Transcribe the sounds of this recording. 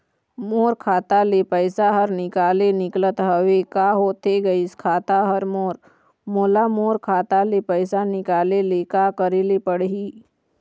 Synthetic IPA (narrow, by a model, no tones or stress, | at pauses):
moːɾkʰaːt̪alepəɪsaɦəɾnɪkaːlenɪklət̪ɦɐʋekaːɦoːt̪ʰeɡəiskʰaːt̪aɦəɾmoːɾ | moːlamoːɾkʰaːt̪alepəɪs̬anɪkaːlelekakəɾeːlepəɽɦiː